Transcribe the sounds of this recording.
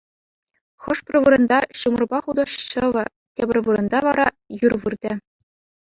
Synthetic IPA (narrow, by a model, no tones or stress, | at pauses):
χɤ̆ʂprʲɤ̆ʋɯɾɤ̆nd̪ɑɕumɤ̆rbɑχud̪ɤ̆ʂɕɤ̆ʋɤ̆ | tʲebʲɘ̆rʲʋɯɾɤ̆nd̪ɑʋɑɾɑ | jurʋɯrd̪ʲɘ̆